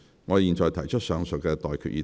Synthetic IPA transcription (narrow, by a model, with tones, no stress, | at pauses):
ŋɔː˨˧jiː˨˧nt͡ʃɔː˨jt̪ʰɐ˨˩jt͡ʃʰɵ˥t̚sœː˨˧ŋsʊ˨k̚kɛː˧t̪ɔː˨jkʰy̰ː˨t̚jiː˧˥